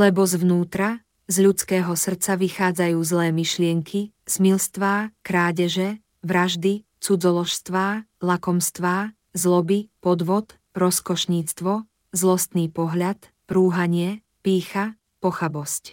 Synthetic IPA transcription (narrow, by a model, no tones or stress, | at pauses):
lɛbɔzʋnuːt̪ɾa | zʎut͡skɛːɦɔsr̩t͡saʋixaːd͡zajuːzlɛːmiʃlɪɛŋkʰi | z̥milst̪ʋaːkɾaːɟɛʒɛ | ʋɾaʒd̪i | t͡sud͡zɔlɔʃst̪ʋaːlakɔmst̪ʋaː | zlɔbipɔd̪ʋɔt̪ | ɾɔskɔʃɲiːt͡st̪ʋɔ | zlɔst̪niːpɔɦʎat̪ | pɾuːɦaɲɪɛ | piːxa | pɔxabɔsc